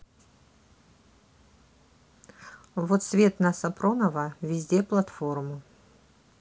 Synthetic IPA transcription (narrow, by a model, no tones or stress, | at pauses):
vot̪svʲet̪nɐsɐpronɐvɐvʲɪzʲdʲeplˠɐt̪formu